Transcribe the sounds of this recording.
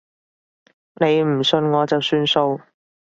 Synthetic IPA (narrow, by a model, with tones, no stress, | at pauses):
ne˨˧jm̩˨˩sɵ˧nŋɔː˨˧t͡sɐ˨wsyː˧nso˧w